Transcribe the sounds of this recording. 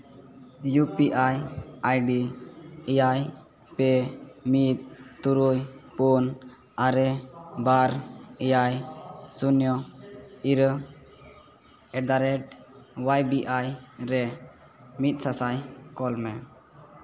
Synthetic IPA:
jupiʔajajɖiɛjaj | pɛmit̪̚t̪uɾujpun | aɾɛbaɾɛjajsunjɔ | iɾ | ɛd̪aɾɛʈwajbiʔajɾɛ | mit̪̚ˀsasajkɔlmɛ

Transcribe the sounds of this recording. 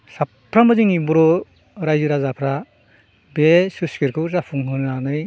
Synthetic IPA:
sapʰːɾamaziŋibuɾɔ | ɾajzɯɾazapʰɾa | besuskiɾkʰɯwzapʰuŋɦɯnanɯj

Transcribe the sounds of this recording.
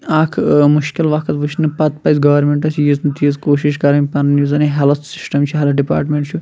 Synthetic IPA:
aːkʰmuʃkilʋɐkʰɐt̪ʋut͡ʃʰnɨpɐt̪pɐjsɡɐʋɐɾmeɳʈɐsʲjiznɨt̪iːzkoːʃiʃkɐɾɐnʲpɐnnjizɐniɦelt̪ʰsi̥sʈɐmt͡ʃʰiɦɐlɐɖipa̰ːɾʈmeɳʈt͡ʃʰu

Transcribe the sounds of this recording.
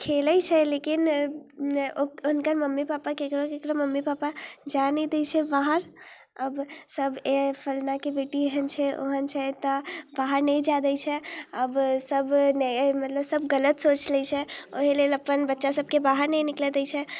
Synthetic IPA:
kʰeləjt͡ʃʰɛlekin | oonkəɾməmːipapakekɾokekɾoməmːipapad͡ʒanid̪et͡ʃʰɛbaɦəɾ | əbsəbepʰəlnakebiʈiɦənt͡ʃʰɛo̰ɦənt͡ʃʰɛt̪ɔbaɦəɾnɛjd͡ʒad̪əjt͡ʃʰɛəbsəbnɛmət̪ləbsəbɡələt̪sot͡ʃlɛt͡ʃʰɛoɦileləpənbətːʃasəb̚ʱkebaɦəɾnɛjniklɛd̪ɛjt͡ʃʰɛ

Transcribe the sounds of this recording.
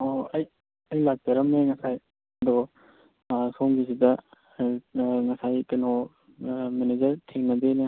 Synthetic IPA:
oɐj | ɐjlak̚tɐɾɐmeŋɐsaj | ɐd̪ɔ | sʰomɡisidɐ | ŋɐsajkeno | mened͡ʒɐɾtʰeŋnɐdene

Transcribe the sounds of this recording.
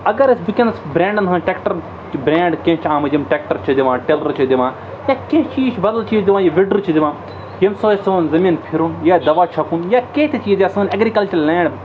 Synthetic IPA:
ɐɡɐɾɐsʲbikʲẽnd̪ɐsbɾẽːɳɖɐnɦɐ̃ːnʈʲeːkʈɐɾ | t͡ʃbɾẽːɳɖkẽːt͡ʃʰaːmɐd͡ʒimʈʲeːk̚ʈɐɾt͡ʃʰid̪iʋãːʈeːlɐɾt͡ʃʰid̪iʋãː | jaːkẽːt͡ʃʰiːt͡ʃʰbɐd̪ɐlt͡ʃʰiːd̪iʋãːjɐʋiɖɨt͡ʃʰid̪iʋãː | jɐmsoːɐsɨʋnzɐmiːnpʰiɾunjaːd̪ɐʋaːt͡ʃʰɐpunjaːkeːt̪ʰet͡ʃiːd̪jaːsɨːnɐɡɾiːkɐlt͡ʃɐɾlʲɛ̃ːɳɖ

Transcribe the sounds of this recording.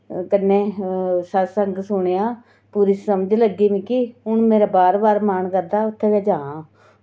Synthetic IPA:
kənːẽːsəsəŋɡsʊɳ̃eːãː | puːɾiːsəməd͡ʒləɡiːʋĩːkɪʊnmeːɾaːbaːɾbaːɾmaːnkəɾd̪aːʊt̪ʰːẽːʋaːd͡ʒãːãː

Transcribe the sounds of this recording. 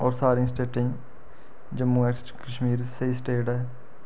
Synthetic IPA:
ɔːɾsaːɾĩːsʈeːʈɪ̃ | d͡ʒəmːuːɛkskəʃmiːɾseisʈeːʈɛː

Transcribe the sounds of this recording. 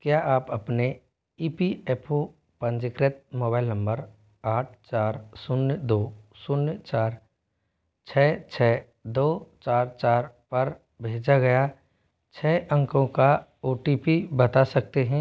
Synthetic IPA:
kjaʔaːpɐpne | iːpiɛːpʰo | pə̃nd͡ʒɪkɾet̪̚moːbaːɪlnə̃mbəɾ | aːʈʰt͡ʃaːɾsʊnjd̪oːsʊnjt͡ʃaːɾ | t͡ʃʰɛːt͡ʃʰɛː | d̪oːt͡ʃaːɾt͡ʃaːɾpɐɾ | bʱeːd͡ʒaɡɐja | t͡ʃʰɛːʔə̃ŋkõkaoːʈipibɐt̪asɐk̚t̪eɦɛ̃ː

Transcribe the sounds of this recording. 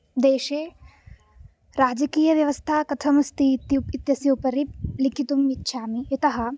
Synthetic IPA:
d̪eːʃeː | ɾaːd͡ʒɐkiːjɐʋjɐʋɐst̪ʰaːkɐt̪ʰɐmɐst̪it̪it̪jɐsjɐupɐɾilikʰit̪umitːʃʰaːmijɐt̪ɐɦɐ̆

